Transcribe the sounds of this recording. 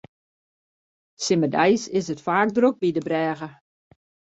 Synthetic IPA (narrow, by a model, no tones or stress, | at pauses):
sɪmədɛjsɪsətfaːk̚drok̚bidəbrɛːɣə